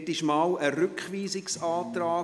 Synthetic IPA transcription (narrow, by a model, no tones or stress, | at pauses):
tɪʃmɑːwəɾʏkχʋiːzɪksɑːt̪ɾaː